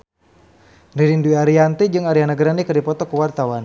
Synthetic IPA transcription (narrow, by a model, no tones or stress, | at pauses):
riɾinduiaɾiant̪ɛd͡ʒɨŋaɾianaɡɾanikərdipɔt̪ɔkuwart̪awan